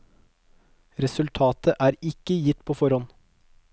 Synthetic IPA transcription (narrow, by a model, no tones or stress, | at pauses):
ɾɛsʉlt̪ʰɑːt̪əʔæːɾɪkːəjɪt̪pʰoːfɔɾɔn